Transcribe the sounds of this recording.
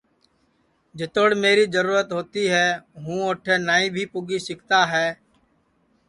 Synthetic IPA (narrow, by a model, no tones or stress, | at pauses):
d͡ʒɪt̪oɽmeːɾiːd͡ʒəɾuːɾət̪ɦoːt̪iːɦɛːɦũːoːʈʰeːnaːĩːbʱiːpʊɡiːsɪkt̪aːɦɛː